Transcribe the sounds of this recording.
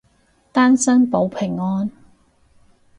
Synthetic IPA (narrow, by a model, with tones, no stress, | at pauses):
t̪aː˥nsɐ˥ŋpo˨˧˥wpʰɪ˨˩ŋːɔː˥n